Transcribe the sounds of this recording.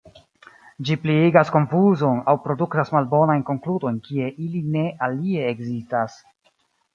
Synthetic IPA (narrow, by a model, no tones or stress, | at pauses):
d͡ʒiplieɡasko̞ɱfuzo̞nawpɾo̞duktasmalbo̞najnko̞ŋkludo̞jnkie̞ʔiline̞ʔalie̞ːɡzistas